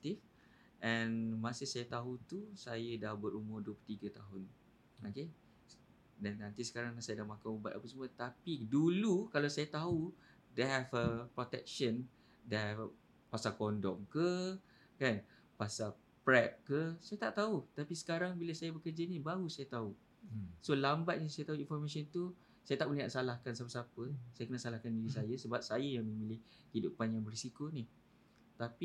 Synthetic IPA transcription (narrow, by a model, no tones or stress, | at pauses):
t̪if | ʔɛnmãsihsajat̪aɦut̪usajədahbəɾumʊrduəpət̪iɡət̪aɦʊn | oke | danːãnt̪isə̥kaɾaŋasajadahmakaməba̰t̪̚apəsəmuət̪apidulukalawsajat̪aɦu | deɦɛvəpɾɔt̪ɛk̚ʃən | deɦɛf | pasakɔndɔmkə | kan | pasa | pɾɛp̚kəsajat̪aʔt̪aut̪apisə̥kaɾaŋbiləsajabəkərd͡ʒanĩbaɦusajat̪au | solambat̪̚nisajat̪aɦuinfɔrmasɔnt̪u | sajat̪aʔməliɦaʔ̪̚salahkansapəsapəsajakənəsalahkandiɾis̬ajasəbap̚sajajaŋmə̃mĩlɪh | hidupanjaŋbərisikonih | t̪api